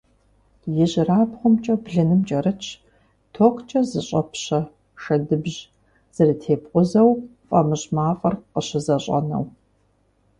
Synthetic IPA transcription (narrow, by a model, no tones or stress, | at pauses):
jɪʑraːpχʷʊmt͡ʃʼɐbɮɨnɨmt͡ʃʼɐrɨt͡ʃʰ | tʰoːqt͡ʃʼɐzɨɕʼɐpʰɕɐ | ʂɐdɨbʑ | z̥ɐrɨtʰeːpqʷʼʊzɐwfʼɐmɨɕmaːfʼɐrqəɕɪzɐɕʼɐ̰nɐ̰w